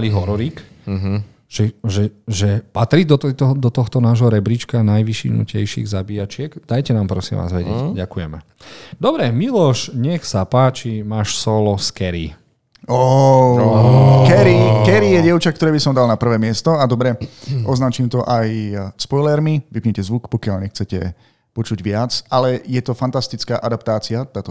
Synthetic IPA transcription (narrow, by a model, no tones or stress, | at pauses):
liɦɔɾɔɾiːk | ʒ̥ɛʒɛʒɛpat̪ɾiːd̪d̪ɔt̪ɔxt̪ɔnaːʒɦɔɾɛbɾit͡ʃkanajʋiʃḭnṵcɛjʃḭːɣzabiːat͡ʃɪɛɡd̪̥ajcɛnaːmpɾɔsḭmʋa̰ːzʋɛɟɛ̰cɟakujɛmɛ | d̪ɔbɾɛmilɔʃɲɛxsapaːt͡ʃimaːʃsɔlɔskɛɾḭ | ɔ | kɛɾikɛɾijɛɟɛʊt͡ʃak̚t̪ɔɾɛːbisɔmd̪alnapr̩ʋɛːmɪɛst̪ɔad̪ɔbɾɛʔɔznat͡ʃiːmt̪ɔʔajspɔjlɛɾmiʋipɲɛcɛzʋukpɔkɪalɲɛxt͡sɛcɛ̰ | pɔt͡ʃuɟʋɪat͡salɛjɛt̪ɔfant̪ast̪it͡skaːʔad̪apt̪aːt͡siat̪aːt̪ɔ